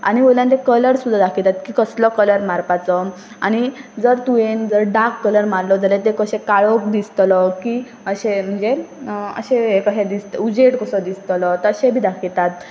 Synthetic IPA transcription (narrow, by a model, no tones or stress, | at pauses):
a̰ñiʋoljãt̪̬ekələɾsud̪ʱːad̪akʰilt̪at̪kikəslɔkələɾmaɾpat͡sɔ | a̰ñid͡zəɾt̪uend͡zəɾɖakːələɾmaɾlɔd͡zəlet̪̬ekəɕɛ̃kaɭɔk̚d̪ist̪lɔki | əɕem̤əɳd͡zeə̰ɕeekəɕẽd̪ist̪ud͡ʑeʈkəsɔd̪ist̪lɔt̪əɕẽbʱiːd̪akʰilt̪at̪̚